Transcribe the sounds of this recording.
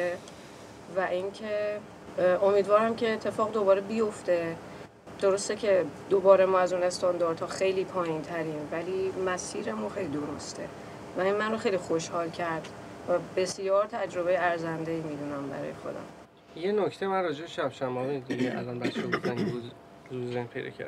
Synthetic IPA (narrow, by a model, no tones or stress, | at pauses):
e | væʔincʰe | omiːd̪vɒːɾæmcʰe̞ːt̪ʰːe̞fɒːɣd̪o̞bɒːɾebijo̞ft̪e̞ | d̪̥oɾo̞st̪ecʰe̞d̪̥obɒːɾe̞mɒːæzune̞st̪ɒnd̪ɒːɾd̪hɒːxe̞jliːpʰɒːjint̪ʰæɾiːnvæliːmæsiːɾemuːxejlid̪o̞ɾo̰st̪ʰe̞̰ | væinmænroxe̞jlixoʃhɒːlcʰæɾd̪̥ | væbe̞sjɒːɾt̪ʰæd͡ʒɾo̞βejeæɾzænd̪eiːmiːd̪unæmbæ̰ɾɒ̰ːjexo̞̰d̪æ̰m | jenocʰt̪ʰemænrɒːd͡ʒebeʃæbʃæmɒːmed̪iɟeʔæ̰lɒːnbæʃebofænu | zuzenpʰejd̪ɒ̰ːcʰæ̰ɾ